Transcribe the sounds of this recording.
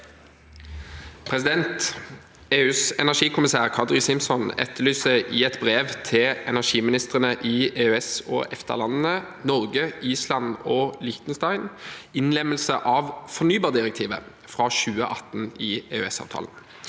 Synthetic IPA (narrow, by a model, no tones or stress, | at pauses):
pʰʁɛsɪd̪ɛnt̪ | eːʉːsɛnæʂiːkʰʊmɪsæːʁkʰɑd̪ʁɪsɪmsɔnɛ̰t̪ʰːəlyːsəʔɪɛt̪bʁeːʋt̪ʰɪlʔɛnæʁʂiːmɪnɪst̪ʁənəʔɪːeːøɛsɔ̰ːʔɛft̪ə̰ʁlɑnn̩ə | nɔʁɡəiːslɑnoːlɪçt̪nst̪ɑɪnɪnlɛməlsəʔɑːʋfɔʁnyːbɑːʁd̪ɪʁɛk̚t̪ʰiːʋə̰ | fʁɑːʃʉːəʔɑt̪n̩iːeːøɛsɑ̰ːʋt̪ʰɑ̰ːln̩